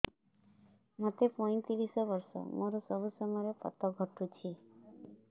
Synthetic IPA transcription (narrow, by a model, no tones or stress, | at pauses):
mat̪epɔĩt̪iɾisɔbəɾsɔ̰mɔɾɔsɔbʱusɔmɔɾepɔ̰t̪ɔɡʱɔʈut͡ʃʰi